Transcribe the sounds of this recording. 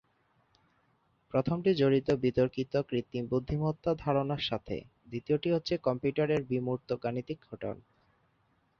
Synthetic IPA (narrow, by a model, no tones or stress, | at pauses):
pɾot̪ʰomʈid͡ʑoɾit̪obit̪oɾkit̪okɾit̪ːibud̪ʱːimot̪ːad̪ʱaɾonaɾʃat̪ʰḛ | d̪it̪ioʈiɦotːɕʰekɔmpjuʈaɾeɾbimuɾt̪oɡanit̪ik̚ɡʰʱoʈo̰n